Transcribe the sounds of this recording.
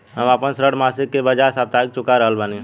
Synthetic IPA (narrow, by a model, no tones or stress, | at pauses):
ɦəməpənsɾəɽmasɪkːebəd͡ʒasaːb̚t̪aik̚t͡ʃʊkaɾəɦəlbəni